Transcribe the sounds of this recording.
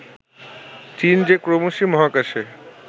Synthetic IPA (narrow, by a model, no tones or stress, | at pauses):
t͡ɕind͡ʑekɾomoʃimɔɦakaʃe